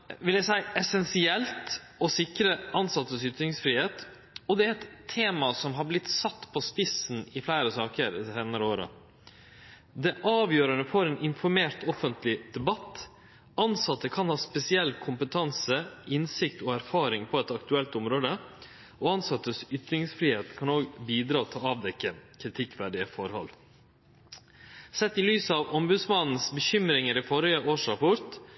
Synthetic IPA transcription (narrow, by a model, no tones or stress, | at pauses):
ʋɪljæɪsæɪɛsɛnsɪɛlt̪ | ɔsɪkɾəʔɑnsɑt̪ːəsʏt̪ɾɪŋsfɾiːheːt̪ | ɔd̪ɛæɾɛt̪ʰːeːmɑsɔmɦɑɾblɪt̪sɑt̪ːpʰɔspɪsn̩ɪflæɪɾəsɑːkəɾseːnəɾəoːɾə̰ | d̪ɛʔɑːʋjøːɾəɳəfɔɾɛːnɪnfɔɾmeːɾt̪ɔfənt̪lɪd̪̥ɛbɑt̪ː | ɑnsɑt̪ːəkʰɑnhɑːspɛsɪɛlːkʰʊmpət̪ʰɑnsəʔɪnsɪkt̪oːæɾfɑːɾɪŋpʰɔɛt̪ɑkt̪ʉɛlt̪ʊmɾoːd̪ə | ʔoːɑnsɑt̪ːəsʏt̪ɾɪŋsfɾiːheːt̪kʰɑnoːɡbiːd̪ɾɑːt̪ʰɑlɑːʋd̪ɛkːəkʰɾɪt̪ʰɪkːʋæɖɪəfɔɾhɔ̰lː | sɛt̪ːɪlyːsəɑʋɔmbʉd̪smɑnn̩sbəçʏmɾɪŋəɾifɔɾɪəʔoːʂɾɑpʰʊɾt̪